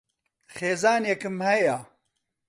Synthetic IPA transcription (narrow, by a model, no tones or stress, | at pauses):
xeːzaːnjɐkɨmhɐja